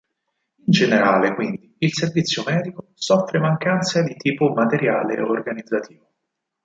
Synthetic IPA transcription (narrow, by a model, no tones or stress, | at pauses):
ind͡ʒeneɾaːlekwind̪iilservit̪sːjomɛːd̪ikosɔfːɾemaŋkant̪sad̪it̪iːpomat̪eɾja̰ːlḛorɡanid̪zːat̪ʰiːvo